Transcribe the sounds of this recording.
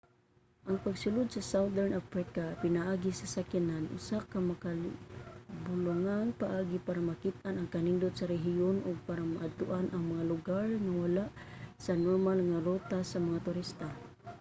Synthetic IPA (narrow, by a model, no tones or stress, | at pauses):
ʔaŋpaɡsʊlʊd̪̚sasawd̪ɛɹnʔafɾɪkapɪnaʔaɡisasakinanʔʊ̰sakamaka | bʊlʊŋanpaʔaɡipaɾamakit̪̚anaŋkanind̪ʊt̪̚saɾɛɦionʔʊɡ̚paɾamaʔad̪̚t̪ʊʔanʔaŋmaŋalʊɡaɹŋawalaʔsanɔɾmalŋaɾot̪asamaŋat̪ʊɾist̪a